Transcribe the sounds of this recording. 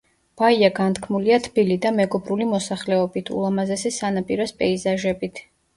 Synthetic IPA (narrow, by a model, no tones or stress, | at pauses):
b̥aiaɡant̪ʰkʰmuliat̪ʰb̥ilid̪amɛɡɔbɾulimɔsaχlɛɔbit̪ʰṵlˠamazɛsɛsanapʼiɾɔspʼɛizaʒɛbit̪ʰ